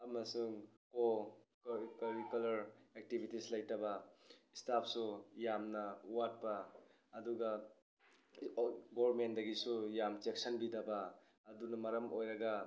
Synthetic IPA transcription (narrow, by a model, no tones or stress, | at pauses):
ɐmɐsuŋkokkɐɾikulɐɾek̚tibʱitislɐjtɐbɐistapʰsujamnɐuwat̚pɐ | ɐduɡɐ | ɡobɾmentdɐɡisujamt͡ʃek̚sɐnbidɐbɐː | dunɐmɐɾɐmʔojɾɐɡɐ